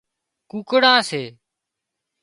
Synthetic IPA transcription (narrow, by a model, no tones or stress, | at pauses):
kuːkɽãːseː